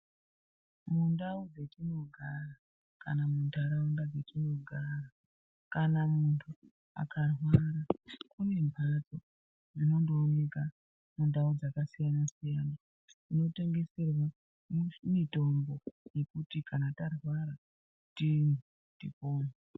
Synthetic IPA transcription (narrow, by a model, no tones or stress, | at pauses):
mundaud͡zetino̞ɡʱara | ka̰namundʰʱaɾaundad͡zetino̞ɡʱara | kanamuntʰu | a̰karwaɾakune̞mbʱad͡zo̞ | d͡zino̞ndoːne̞ka | mundaud͡zakasijanasijaːna | ino̞te̞ŋɡe̞se̞rwa | mito̞mbo̞je̞kutikanatarwaɾa | tini | tipoːni